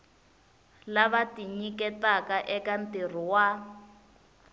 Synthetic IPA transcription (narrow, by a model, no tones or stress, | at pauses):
laβatiɲikɛtakaʔɛkan̩tir̤iwa